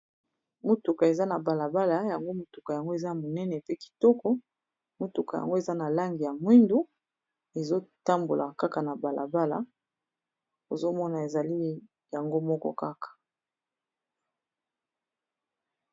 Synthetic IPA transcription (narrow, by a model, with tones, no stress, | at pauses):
mo˨tu˨ka˨e˨za˦na˨ba˨la˨ba˦la˨ja˨ŋɡo˦mo˨tu˨ka˨ja˨ŋɡo˦e˨za˦na˨mo˨nɛ˦nɛ˨pe˦ki̥˨tɔ˦kɔ˦ | mo˨tu˨ka˨ja̰˨ŋɡo˦e˨za˦na˨la˦ŋɡi˨ja˨mwi˦ndu˦ | e˨zo˦ta˦mbo˨lʔa̰˨ka˦ka˨na˨ba˨lʔa̰˨ba˦la̰˨ | o˨zo˦mɔ˦na˨e˨za˨li˦ | ja˨ŋɡo˦mɔ˦kɔ̰˦ka˦kḁ˨